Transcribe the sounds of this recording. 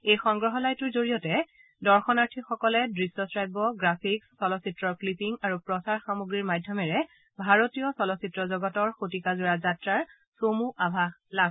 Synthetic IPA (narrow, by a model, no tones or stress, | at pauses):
ejxɔŋɡɹɔɦɔlajtʊɹzoɹijɔtɛ | dɔɹxɔnaɹtʰixɔkɔlɛdɹisːɔsɹajbɔɡɹapʰiksːɔlɔsitɹɔɹklipiŋaɹupɹɔsaɹxamuɡɹiɹmadʱjɔmɛɹɛ | bʱaɹotijɔsɔlɔsitɹɔzɔɡɔtɔɹxotikazuɹazatɹaɹ | somuʔabʱala